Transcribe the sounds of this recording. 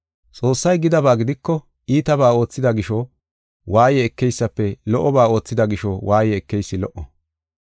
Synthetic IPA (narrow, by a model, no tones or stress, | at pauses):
t͡sʼo̞ːsːɐjɡɪd̪ɐbaːɡɪd̪ɪkːɔ | ʔiːt̪ɐbaːo̞ːt͡sːɪd̪ɐɡɪʃɔ | waːjɛːkːɛjsːɐpːɛlɔʔɔbaːo̞ːt͡sːɪd̪ɐɡɪʃɔwaːjɛɛkːɛjsːɪlɔʔɔ